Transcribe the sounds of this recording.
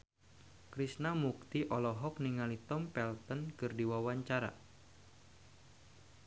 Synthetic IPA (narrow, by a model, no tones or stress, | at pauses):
kɾisnamuk̚t̪iʔɔlɔɦɔk̚niŋalit̪ɔmpɛlt̪ɔnkɨrdiwawaɲt͡ʃaɾa̰